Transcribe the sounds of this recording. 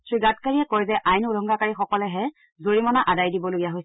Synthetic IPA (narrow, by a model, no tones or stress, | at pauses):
tɹiɡatkaɹiɛkɔjzɛʔajnulʱɔŋɡakaɹixɔkɔlɛɦɛ | zoɹimɔnaʔadajdibɔloɡijaɦojsɛ